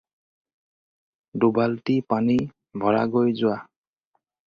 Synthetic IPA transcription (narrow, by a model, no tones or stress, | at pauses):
dubaltipani | bʱɔɹa̰ɡojzʊwa